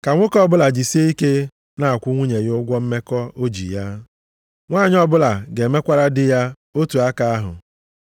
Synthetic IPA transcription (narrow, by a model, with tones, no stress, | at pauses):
ka˨ŋʷʊ˦kɔ˦bʊ˦la˨d͡ʒi˨si˦e˦i˦ke˦ | na˦a˨kʷʊ˦ŋʷu˦ɲe˨ɣɪ˦ʊ˦ɡʷɔ˦m̩˦me˦kɔ˦o˦d͡ʒḭ˨ja˦ | ŋʷaː˦˨ɲɪ˦ɔ˦bʊ˦la˨ɡe˨me˦kʷa˦ɾa˦dɪ˦ja˦ | o˦tu˨a˦ka˨a˦ɦʊ̰˨